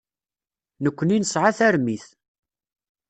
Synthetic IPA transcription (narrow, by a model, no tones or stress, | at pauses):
nəkʷːəninəsʕaθæɾmiθ